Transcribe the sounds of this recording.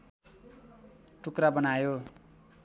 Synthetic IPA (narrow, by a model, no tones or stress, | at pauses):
ʈukɾabʌnajo